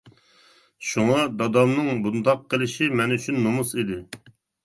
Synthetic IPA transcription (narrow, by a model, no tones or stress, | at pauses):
ʃuŋɑd̪ɑd̪ɑmnɨŋbund̪ɑqʰːəlˠɪʃimɛnyt͡ʃʰynːomusid̪ɪ